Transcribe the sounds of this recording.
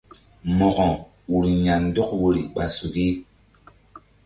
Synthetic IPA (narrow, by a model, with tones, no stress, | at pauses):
mɔ˨ɣɔ̃˨ | wu˨ɾi˨ɲa˨n˦dɔ˦kwo˦ɾḭ˨ɓa˨su˨ki˦